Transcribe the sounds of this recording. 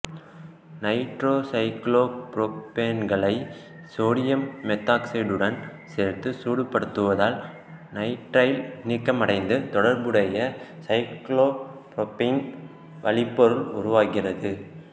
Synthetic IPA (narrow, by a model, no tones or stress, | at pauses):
nɐɪʈɾoːsɐɪkɭoːpɾɔpeːnɡɐɭɐɪ | soːɽɪjɐmːɛt̪ːaːksɐɪɖɯɽɐn | seːɾt̪ːɯsuːɽɯpːɐɽɯt̪ːɯʋɐðaːl | nɐɪʈɾɐjlnikːɐmɐɽɐɪnd̪ɯt̪ɔɽɐɾbɯɽɐjɐsɐɪkɭoːpɾɔpɪn | ʋɐɭɪpːɔɾɯlʊɾʊʋaːɣɪrɐðɯ